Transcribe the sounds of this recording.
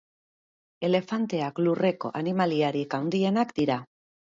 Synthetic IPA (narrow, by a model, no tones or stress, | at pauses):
e̞le̞fant̪e̞aklure̞ko̞̰ʔanimaliaɾikawnd̪ienakd̪iɾa